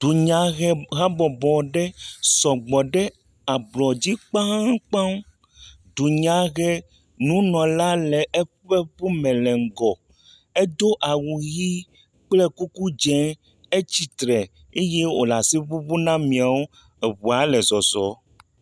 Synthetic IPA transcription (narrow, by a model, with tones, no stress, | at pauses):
d̪̥u˨ɲã˨ɣɛ˦ɣa˦bɔ˨bɔ˨ɖɛ˦sɔ˨ɡ͡bɔ˨ɖɛ˦ | a˨blɔ˨d͡ʑi˦k͡pã˦k͡pã˦m | d̪u˨ɲã˨ɣɛ˦ | nũ˨˦nɔ̃˨la˦lɛ˨ʔɛ˦ɸɛ˦ɸu˦mɛ̃˨lɛ˨ŋ̩˨ɡɔ˨ | e˦d̪o˦ʔa˨wu˨ɣi˦ | k͡plɛ˦ku˦ku˦d͡ʒɛ̃˦ | e˦t͡ɕi˨t̪ɾɛ˨ | e˦je˦o̰˨la˨si˦βu˦βu˦nã˦mĩ˨a˨wo˦ | ɛ˨βu˨a˨˦lɛ˨zɔ˨zɔ˨˦